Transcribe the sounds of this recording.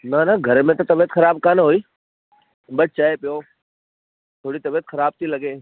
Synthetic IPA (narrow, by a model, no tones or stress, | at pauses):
nanaɡʱəɾmẽt̪ot̪əbet̪xʰəɾaːb̚kaːnɦoːiː | bəʈ̚ʰt͡ʃaːepɪjoː | t̪ʰoːɽiːt̪ɐbet̪xʰəɾaːb̚t̪ʰilɐɡeː